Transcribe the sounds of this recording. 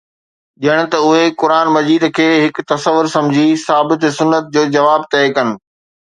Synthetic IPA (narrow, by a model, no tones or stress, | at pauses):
ɗiəɽ̃ʊ̆t̪ɐʊɦekʊɾaːnmɐziːd̪kʰeːɦɪkt̪ɐsəʋʊɾsɐ̃md͡ʑʱisaːbɪt̪sʊnːət̪̚d͡ʑoːd͡ʑɐʋaːb̚t̪ɛːkɐnɪ̆